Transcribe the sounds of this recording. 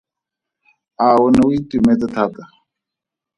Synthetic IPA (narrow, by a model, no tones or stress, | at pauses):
aːwonawit̪umɛt̪at̪ʰat̪a